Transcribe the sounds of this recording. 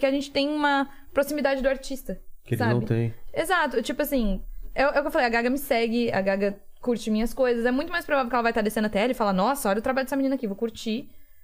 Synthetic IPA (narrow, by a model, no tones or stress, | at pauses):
keaʒẽnt͡ʃɪ̥t̪ẽj̃ũmɐ | pɾosimid̪ad͡ʒɪd̪ʊaɾt͡ʃist̪ɐkelsanɐb̰̃ɪ̃t̪ḛ̃j̃ezat̪ʊt͡ʃipʊasĩɛʊʔeʊkewfalejaɡaɡɐmɪsɛɡɪɐ̰ɡaɡɐkuɾt͡ʃɪmĩɲɐskojzɐsɛmũj̃t̪ʊmajspɾovavewkɛlɐvajt̪ad̪esẽnɐt̪ɛɛlɪfalanɔsɐɔɾɐeʊt̪ɾabaʎd̪ɛsɐmininɐakievokuɾt͡ʃi